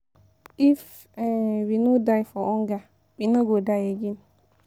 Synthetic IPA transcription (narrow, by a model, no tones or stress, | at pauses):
if | winodaifɔɔŋɡa | ɓinoɡodajeɡin